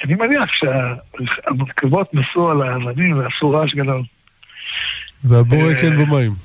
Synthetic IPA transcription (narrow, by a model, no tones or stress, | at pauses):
animeniaχʃeaamankavo̞t̪masualaːvanimveasuʁaʃɡad̪o̞l | veaboʁekenbemaim